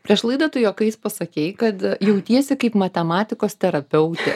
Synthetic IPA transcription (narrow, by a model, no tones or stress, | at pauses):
pʲɾʲiɛʃlˠɐɪd̪oːt̪ʊjoːkɐɪspɐsɐkʲɛɪkɐt̪jɛʊt̪ʲiɛsʲɪkɐɪpmɐt̪ʲɛmɑːt̪ʲɪkoːst̪ʲɛɾɐpʲɛʊt̪ʲɛ